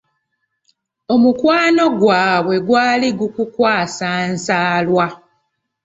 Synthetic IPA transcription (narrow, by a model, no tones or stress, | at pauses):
o̞mukwaːno̞ɡwaːβwe̞ɡwaːliɡukukwaːsaːnsaːlwa